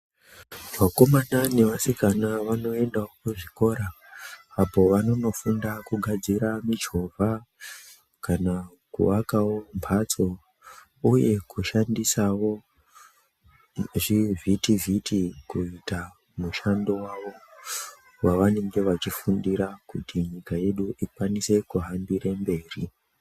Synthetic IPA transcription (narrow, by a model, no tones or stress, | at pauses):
mako̞manane̞ʋasikanaʋano̞e̞ndawokuʐiko̞ɾaː | po̞ʋano̞no̞fundakuɡʱad͡ziɾamid͡ʒo̞vʱa | kana | kṵʋakawo̞mpʰat͡so̞ | uje̞kuʃandisawo̞ | ʐivʱitivʱitikuita | muʃando̞waʋo̞ | waʋane̞ŋɡe̞ʋat͡ʃifundiɾakutiɲikaje̞ɗuʔikwanise̞kuɦambirembe̞ːri